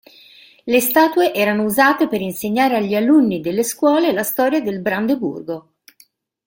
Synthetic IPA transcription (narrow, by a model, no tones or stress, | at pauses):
lest̪aːt̪ueʔɛːɾanouzaːt̪epeɾinseɲːaːɾeaʎːialunːid̪elːeskwɔːlelast̪ɔːɾjad̪elbɾand̪ebṵrɡo